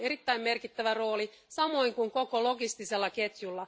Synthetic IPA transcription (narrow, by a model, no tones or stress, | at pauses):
eɾit̪ːæimme̞rkit̪ːæʋæro̞ːli | sɑmo̞iŋkuŋkokolo̞ɡist̪iselːɑket̪julːɑ